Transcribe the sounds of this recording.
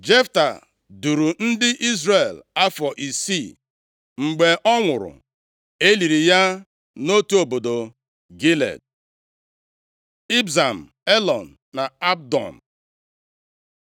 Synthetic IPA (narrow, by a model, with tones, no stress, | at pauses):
d͡ʒe˦fta˨ | du˨ɾu˨n̩˦dɪ˦ʔi˦zɾe˨la˦fɔ˨ʔi˨si˦˨ | ŋ͡m̩˨ɡ͡be˨ʔɔ˦ŋʷʊ˨ɾʊ̰˨ | e˦li˨ɾi˨ja˦ | no˦tu˦o˨bo˨do˨ | ɡi˦lḛ˨d̚ | i˦bza˨m̩˨ | e˦lɔ˨n̩˨ | na˨a˦b̚dɔ̰˨m̩˨